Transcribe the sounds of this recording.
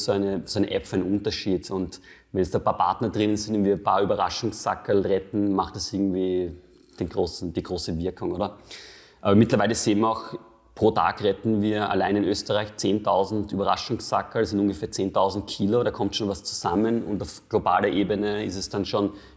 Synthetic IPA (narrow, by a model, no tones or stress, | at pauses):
soæɪnəsoæɪnə̰ʔɛpfæɪnnʊntɐʃiːtʊnt | vɛnɛsd̥aːpʰaːpʰa̰ɐtnɐdʁɪnənzɪndɛnviːɐpʰaːɐyːbɐʁa̰ʃʊŋssa̰kəlʁɛtn̩maxtd̥ɐsʔɪɐɡŋ̩tv̥iː | d̥eːnɡ̥ʁoːsn̩d̥iːɡ̥ʁoːsəvɪɐkʰʊŋʔoːdɐ | ʔaːbɐmɪtlɐvaɪləseːnviɐaʊx | pʁ̥oːtʰa̰ːkʁɛtn̩viːɐa̰laɪnɪnʔøːstəʁaɪçt͡seːntʰaʊzn̩tyːbɐʁa̰ʃʊŋssa̰kəldsɪntʔuŋɡəfeːɐt͡seːntʰaʊzn̩tkʰiːlodaːkʰɔmtʃoːnvast͡su̥zamənʊ̰ntaʊfɡ̥loba̰ːlɐʔeːbənəɪstɛsd̥anʃoːn